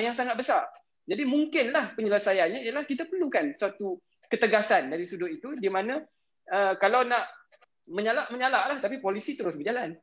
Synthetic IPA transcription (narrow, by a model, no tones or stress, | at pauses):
jaŋsaŋat̪̚bəsar | d͡ʒadimuŋkɪnlahpəɲələsajanɲãijəlahkit̪apərlukansat̪u | kət̪əɡasandaɾisudʊt̪it̪udimãnã | əkalawnaʔ | mə̃ɲalaʔməɲalaʔlaht̪apipolisit̪əɾʊsbəd͡ʒalan